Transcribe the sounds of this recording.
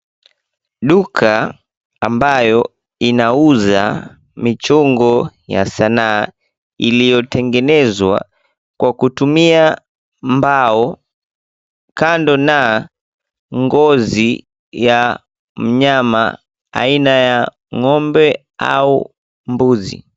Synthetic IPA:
ɗukʰaː | mbajɔ | inauza̰ | mit͡ʃuŋɡɔja̰sanaː | ilijɔtɛŋɡɛnɛzwa̰ | kwakutumia | mbaɔ | kandɔna | ŋɡɔzi | ja | m̩ɲama̰ | a̰inaja | ŋɔmbɛ | a̰u | mbuzḭ

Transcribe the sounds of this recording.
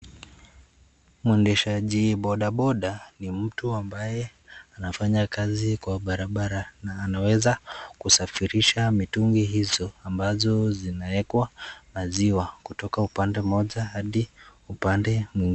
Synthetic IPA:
muɛndɛʃaʄiɓɔɗaɓɔɗanim̩tuambajɛ | anafaɲakazikwaɓaɾaɓaɾanaːnawɛzakusafiɾiʃamituŋɡiɦizɔambazɔzinaɛkwamaziwakutɔkaupandɛmɔʄahaɗiupandɛmwiŋɡ

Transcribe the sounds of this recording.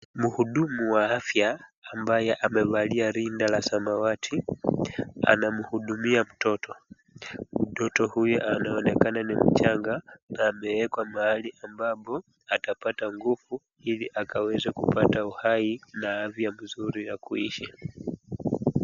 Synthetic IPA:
muhuɗumuwaafjaːmbajɛʔamɛvaliaɾindalasamawatʰi | a̰namuhuɗumiam̩tɔtɔ | m̩tɔtɔhujuʔanaɔnɛkananim̩t͡ʃaŋɡanaːmɛwɛkwamaaliʔambapɔ | atapataŋɡufu | iliʔakawɛzakupatauhainaafjam̩zuɾinakuiʃa

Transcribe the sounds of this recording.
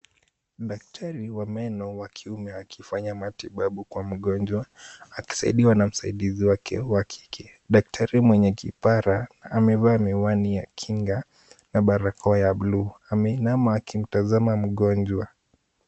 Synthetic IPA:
ɗak̚tʰaɾiwamɛnɔwakʰiumɛakʰifaɲamatiɓaɓukwam̩ɠɔnd͡ʒwaːki̥saḭɗiwanam̩saiɗiziwakʰɛ̰wakʰi̥kʰɛ | ɗak̚tʰaɾimwɛɲɛkḭpaɾaːmɛvaːmɛwanijakʰiŋɡa | naɓaɾakɔjaɓluamɛnamaːkim̩tazamam̩ɠɔnd͡ʒwa

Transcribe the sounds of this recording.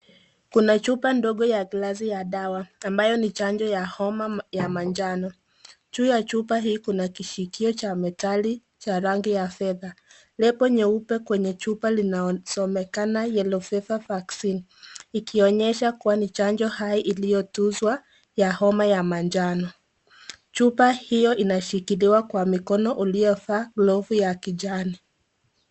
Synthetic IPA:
kunat͡ʃupandɔɠɔjaɡlazijaɗawaːmbajɔnit͡ʃand͡ʒɔjahɔmajamand͡ʒanɔ | t͡ʃuːjat͡ʃupaɦiːkunakiʃikiɔt͡ʃamɛtali | t͡ʃaɾaŋɡijafɛða | lɛpɔɲɛupɛkwɛɲɛt͡ʃupalinasɔmɛkanajɛlɔfɛfavaksin | ikiɔɲɛʃakuwanit͡ʃand͡ʒɔhaiʔilijɔtuzwa | jahɔmajamand͡ʒanɔ | t͡ʃupahijɔʔinaʃikiliwakwamikɔnɔʔulijɔfaːɡlɔvujakid͡ʒani

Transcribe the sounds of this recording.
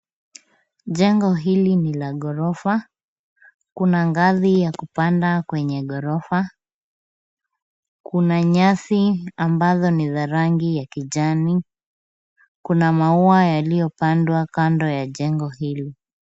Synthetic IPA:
ʄɛŋɡɔɦilinilaɠɔɾɔfa | kunaŋɡaðijakupandakwɛɲɛɠɔɾɔfa | kunaɲaθiambazɔniðaɾaŋɡijakiʄani | kunamauajalijɔpandwakandɔjaʄɛŋɡɔhili

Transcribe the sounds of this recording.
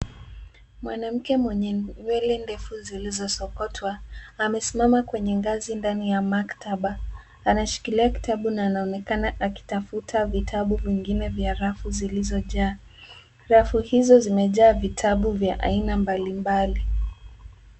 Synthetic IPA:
mwanam̩kɛmwɛɲɛɲwɛlɛndɛfuzilizɔsɔkɔtʰwaːmɛsimamakwɛɲɛŋɡazindanijamaktaɓaː | naʃi̥kiliaki̥tʰaɓunaːnaɔnɛkanaʔaki̥tafutʰavitʰaɓuviŋɡinɛvjaɾafuzilizɔʄaː | ɾafuhizɔzimɛʄaːvitʰaɓuvjaʔa̰inambalimbali

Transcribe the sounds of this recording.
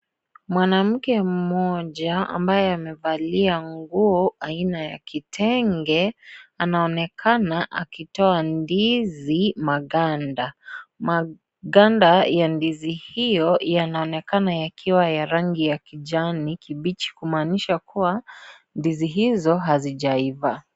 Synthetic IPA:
mwanam̩kɛm̩mɔʄaa̰mbajɛamɛvaliaŋɡuɔainaja̰kitʰɛŋɡɛanaɔnɛkʰanaʔa̰kitɔandizimaɠandama | ɠandajandizihijɔjanaɔnɛkanajakʰiwajaɾaŋɡijakiʄanikʰiɓit͡ʃi̥kumaːniʃakuwa | ndiziɦizɔɦaziʄaiva

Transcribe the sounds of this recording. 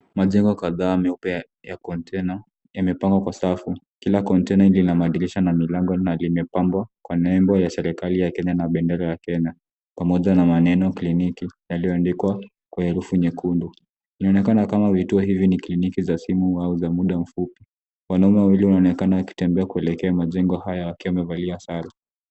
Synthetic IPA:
maʄɛŋɡɔkaðaːmɛupɛ | jakɔntʰɛna | jamɛpaŋɡwakwasafu | kilakɔntɛnalinamaɗiliʃanamilaŋɡɔnalimɛpambwakwanɛmbɔjasɛɾikalijakɛɲanaɓɛndɛɾajakɛɲa | pamɔʄanamanɛnɔklinikijalijɔandikwa | kwahɛɾufuɲɛkundu | inaɔnɛkanakamavituɔɦiviniklinikizasimuauzamuɗam̩fupi | wanaumɛwawiliunaɔnɛkanawaki̥tɛmbɛakuɛlɛkɛamaʄɛŋɡɔhajawakiwamɛvaliasaɾi

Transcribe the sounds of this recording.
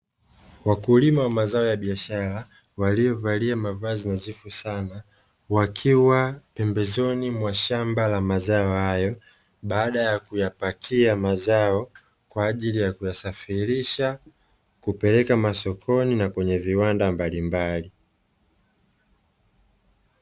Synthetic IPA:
wakulimawamazaɔjaɓiaʃaɾa | walijɔvaliamavazinazifusana | wakʰiwapɛmbɛzɔnimwaʃambalamazaɔhajɔ | ɓaːɗajakujapakʰiamazaɔ | kwaːʄilijakujasafiɾiʃa | kupɛlɛkamasɔkʰɔninakwɛɲɛviwandambalimbali

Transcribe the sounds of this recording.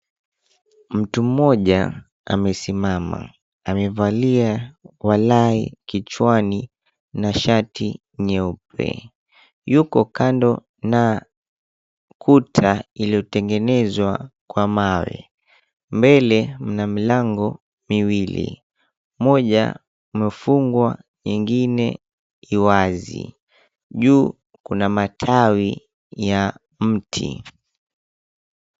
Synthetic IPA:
m̩tum̩mɔʄa̰ | a̰mɛsimama̰ | amɛvaliawalaḭkit͡ʃwani | naʃatʰi | ɲɛupɛ̰ | jukɔkandɔ | na | kʰutʰailijɔtɛŋɡɛnɛzwakwamawɛ̰ | mbɛlɛm̩namilaŋɡɔ | miwilḭ | mɔʄa̰ | umɛfuŋɡwa | ɲiŋɡinɛ | iwazḭ | ʄuː | kunamatʰawi | ja | m̩tʰḭ

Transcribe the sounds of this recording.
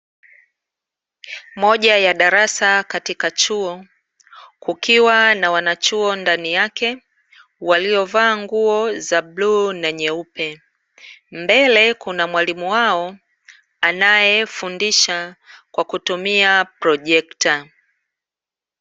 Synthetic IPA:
mɔʄajaɗaɾasakatikat͡ʃuɔ | kukiwanawanat͡ʃuɔndanijakɛ | waliɔvaːŋɡuɔzabluːnaɲɛupɛ | mbɛlɛkunamwalimuwaɔ | anajɛfundiʃakwakutumiapɾɔʄɛkta

